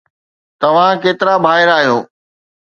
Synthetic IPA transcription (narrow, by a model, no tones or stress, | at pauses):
t̪ɐʋ̤ãkeːt̪ɪɾabʱaːɦɪɾaːɦijoː